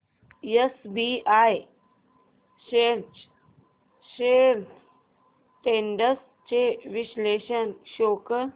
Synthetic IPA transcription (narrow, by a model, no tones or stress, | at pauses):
jesbiaj | ɕeɾt͡ɕ | ɕel | ʈeɳɖəs | t͡ɕeʋiɕleɕənɕokə